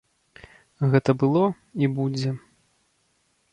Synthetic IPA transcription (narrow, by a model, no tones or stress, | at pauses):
ɣɛt̪ɐbɨlˠɔ | ibud͡zʲɛ